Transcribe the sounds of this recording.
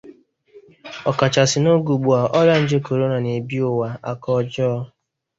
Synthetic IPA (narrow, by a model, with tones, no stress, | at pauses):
ɔ˨ka˨t͡ʃa˨sɪ˨no˦ɡu˨ɡ͡bu˨a˨ʔɔ˦ɾa˦n̩˦d͡ʒe˦ko˨ɾo˦na˨ne˨bi˦o˨wa˨a˨kɔ˦d͡ʒɔ˦